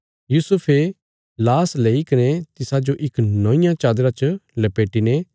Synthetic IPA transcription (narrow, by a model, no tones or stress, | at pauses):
juːsʊpʰe | laːsleːikɐnet̪ɪsad͡ʒoʔɪknɔ̃ːɪ̃jãt͡ʃaːd̪ɾat͡ʃlɐpeːʈine